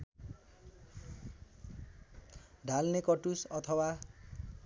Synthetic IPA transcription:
ɖʱalnekʌʈusʌt̪ʰʌwa

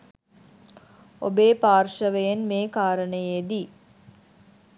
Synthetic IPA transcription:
o̰beːpaːrʃəʋəjenmeːkaːɾənəjed̪i

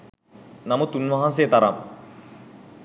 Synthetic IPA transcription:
namət̪unʋɐɦans̬ejt̪aɾa̰m

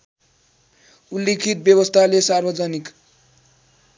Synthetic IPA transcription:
ulːekʰit̪̚bjewʌst̪ʰalesarbʌd͡zʌnik

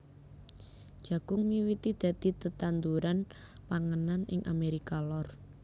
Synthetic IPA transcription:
d̥d͡ʒ̥ä̤ɡ̥ʊŋmiwit̪id̪̥ä̤d̪̥it̪ət̪and̪uɾan | paŋənanɪ̰ŋʔa̰meɾikalɔr

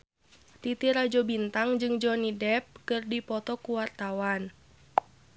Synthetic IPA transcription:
t̪it̪iɾad͡ʒɔbint̪aŋd͡ʒɨŋd͡ʒɔnidɛp̚kɨrdipɔt̪ɔkuwart̪awan

